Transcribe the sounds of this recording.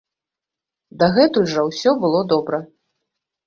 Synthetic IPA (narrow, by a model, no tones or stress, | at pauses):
d̪ɐɣɛt̪ulʲʐɐwsʲɔbɨlˠɔd̪ɔbɾɐ